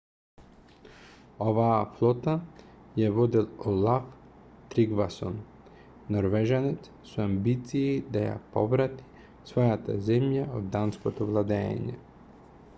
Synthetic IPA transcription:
ɔvaːflˠɔt̪ajɛvɔd̪ilˠɔlˠaf | t̪ɾiɡvasɔ̰nː | ɔɾvɛʒanɛt̪s | suambit̪siːd̪aja̰pɔvɾat̪i̥ | svɔjat̪a̰zɛmjaod̪ːanskot̪ɔvlˠad̪ɛ̰ːɲɛ̰

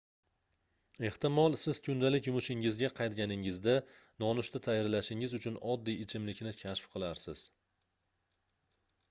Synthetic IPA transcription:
e̞ht̪ɪmɒlˠsɪz̥kʲʰʊnd̪alɪkʲjʊmʊʃɪŋɪzɡʲaqʰɑjt̪̚ɡʲanɪŋɪzd̪anɒnʊʃt̪at̪ʰajaɾlaʃɪŋɪzʊt͡ʃʰʊnɒd̪ːijɪt͡ʃʰɪmlɪkʲnɪkʲʰaʃfqʰɨlˠaɾsɪz̥

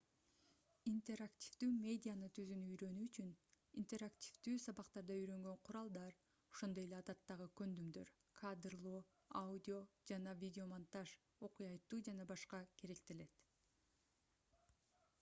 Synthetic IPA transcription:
int̪e̞ɾaktʲivd̪yːmʲe̞dʲɪjanɯt̪ʰyzynyyjɾø̞nyːt͡ʃyn | int̪e̞ɾaktʲi̥vd̪yːsɑβɑqt̪ɑɾd̪ɑyjɾø̞ŋɡø̞ɴqʰʊɾɑlˠd̪ɑɾ | o̞ʃo̞nd̪o̞je̞lʲeɑd̪ɑt̪ːɑʁɯkø̞nd̪ymd̪ø̞ɾ | kʰad̪ɾlˠoː | audʲɪo̞d͡ʒɑnɑvʲidʲɪo̞mant̪aʃ | o̞qujɑjt̪ːuːd͡ʒɑnɑbɑʃqɑke̞ɾe̞k̚t̪e̞le̞t̪

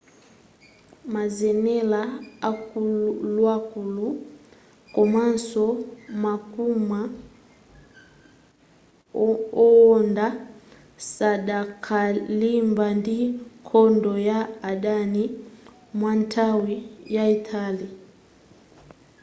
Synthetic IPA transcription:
mazɛnɛlaakullwakulu | kɔmansɔmakuma | ɔɔnda | sadakʰalimbandikʰɔndɔjaadani | mwantʰawijaitʰali

